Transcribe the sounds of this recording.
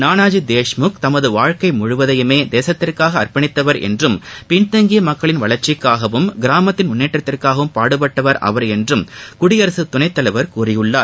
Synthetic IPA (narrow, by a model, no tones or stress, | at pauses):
naːnaːd͡ʒid̪eːʂmʊkt̪ɐmɐðɯʋaːɻkɐɪmʊɻʊʋɐðɐjɯmeːd̪eːsɐt̪ːɪrkaːɣɐːrpɐɳɪt̪ːɐʋɐɾɛ̰ndrɯmpɪɳt̪ɐŋɡɪjɐmɐkːɐɭɪnʋɐɭɐɾt͡ʃɪkːaːɣɐʋɯmɡɪɾaːmɐt̪ːɪnmʊnːeːʈːɐt̪ːɪrkaːɣɐʋɯmpaːɽɯpɐʈːɐʋɐɾɐ̰ʋɐɾɛndrɯmkʊɽɪjɐɾɐsɯt̪ːʊnɐɪt̪ːɐlɐɪʋɐɾkuːrɪjɯɭːaːɾ